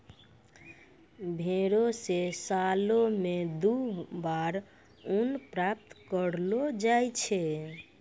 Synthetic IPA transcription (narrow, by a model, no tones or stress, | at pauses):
bʱeɾosesalomed̪ubaɾ | unpɾap̚t̪kəɾlod͡ʒajt͡ʃʰɛ